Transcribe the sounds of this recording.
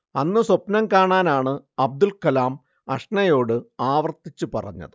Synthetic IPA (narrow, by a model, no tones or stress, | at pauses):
ɐnːɨswopnɐmkaːɳaːnaːɳɨɐb̚d̪ulkɐlaːm | ɐʂnɐjo̞ːɽɨaːʋɐrt̪ːit͡ɕːupɐ̰rɐ̰ɲːɐ̰ðɨ